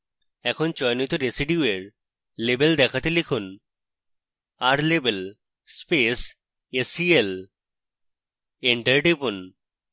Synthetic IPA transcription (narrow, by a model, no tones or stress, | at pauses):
ɛkʰont͡ɕɔjnit̪oɾesiɖiueɾ | lebeld̪ɛkʰat̪elikʰun | aɾlebel | spes | esiel | eɳʈeɾɖibun